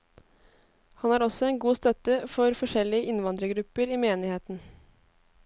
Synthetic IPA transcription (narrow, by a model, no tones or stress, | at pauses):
hɑnæːɾɔsɔɛnɡuːst̪œt̪əfɔɾfɔʂɛlɪəʔɪnʋɑnd̪ɾəɡɾʉpəɾiːmeːnɪheːt̪n̩